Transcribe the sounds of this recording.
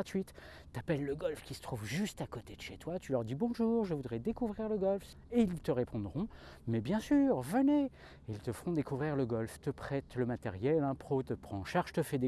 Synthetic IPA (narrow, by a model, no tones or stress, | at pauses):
at̪ɥit̪ː | apɛlːəɡɔlfkʲisə̥t̪χuvʒyst̪akot̪ed̪əʃet̪wat̪ylœʁd̪ibɔ̃ʒuʁʒəvud̪ʁɛd̪ekuvʁiʁləɡɔlf | eilt̪əʁepʰɔ̃d̪ʁɔ̃mɛbjɛ̃syːʁvəne | ilt̪əfəʁɔ̃d̪ekuvʁiʁləɡɔlft̪əpχɛt̪ləmat̪ɛ̰ʁjɛlɛ̃pχot̪əpχɑ̃ʃaʁʒ̥t̪əfɛd̪e